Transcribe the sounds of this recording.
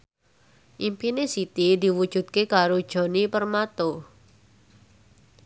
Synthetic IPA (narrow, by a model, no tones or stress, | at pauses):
ʔimpinesit̪id̪i̤wud̥ʒ̥ṳt̪̚kekaɾod̥ʒ̥ɔ̤nipərmat̪o